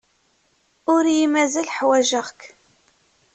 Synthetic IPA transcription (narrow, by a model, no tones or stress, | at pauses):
ʊɾjimæzælħwæʒəʁk